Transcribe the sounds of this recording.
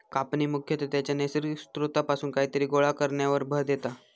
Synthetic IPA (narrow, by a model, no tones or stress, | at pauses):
kapniːmukʰjət̪ot̪jat͡ɕjanesɾist̪ɾut̪apasuːnkaɦiːt̪əɾiːɡoɭakəɾɳjaʋəɾbʱəɾd̪jet̪a